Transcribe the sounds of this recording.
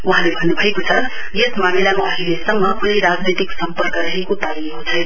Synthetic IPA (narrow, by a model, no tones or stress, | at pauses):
uɦãlebʱʌnːubʱʌekot͡sʰʌ | jesmamilamaʌɦilesʌŋːʌkunijɾad͡znit̪iksʌmpʌrkʌɾʌɦekot̪ajiɦũt͡sʰʌj